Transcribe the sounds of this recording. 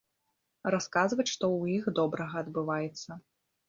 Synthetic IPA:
raskazvɐt͡sʲʂt̪ɔwjixd̪ɔbɾɐɣɐːd̪bɨvajɛt̪sːɐ

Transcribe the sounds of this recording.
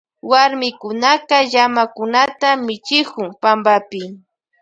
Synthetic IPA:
waɾmɪkʊnaqɑʎamakʊnat̪amɪt͡ʃɪkʊŋpambapɪ

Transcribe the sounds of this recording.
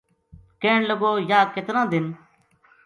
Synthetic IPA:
keːɳləɡoːjaːkɪt̪ɾãːd̪ɪn

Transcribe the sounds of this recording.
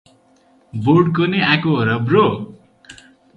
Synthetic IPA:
borɖkoneakoɾʌbro

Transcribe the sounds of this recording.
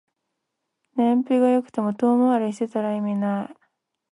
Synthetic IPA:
nẽmpʲɯɡajo̞kɯ̟̥t̪e̞mo̞t̪oːmaaɾeɕit̪et̪aɾaimina

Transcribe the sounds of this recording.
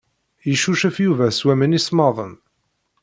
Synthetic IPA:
jəʃuʃəfjuvæswæmənismɑðˤəm

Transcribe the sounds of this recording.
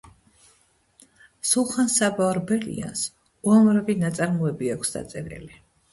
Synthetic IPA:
sulˠχansabaɔɾbɛlḭa̰ns | uamɾavinat̪sʼaɾmuɛbiakʰsd̪̥a̰t̪sʼɛɾɛ̰li

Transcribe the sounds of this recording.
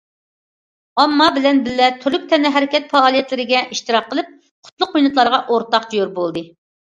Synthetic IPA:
ɑmːɑbɪlɛnbɪlːɛt̪ʰyɾlyk̚ʲt̪ʰɛnɪɦɛɾɪkʲɛt̪fɑːlˠijɛt̪lɪɾɪɡʲɛʔiʃt̪ɨɾɑqːəlˠɨp̚ | qʰʊ̥t̪lˠʊqːujnɨt̪lˠɑɾʁɑʔoɾt̪ɑqd͡ʒojuɾbolˠd̪ɨ

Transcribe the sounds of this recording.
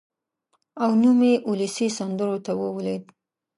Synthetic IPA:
awnumeʔuləsisand̪əɾot̪awəwled̪

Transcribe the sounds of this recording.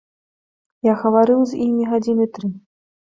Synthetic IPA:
jaɣɐvaɾɨwzʲimʲiɣad͡zʲinɨt̪ɾɨ

